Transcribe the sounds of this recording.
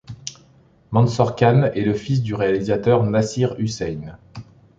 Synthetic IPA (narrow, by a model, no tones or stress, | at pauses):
mɑ̃nsɔʁkʲanɛləfis̬d̪yʁealizat̪œʁnasiʁysɛjn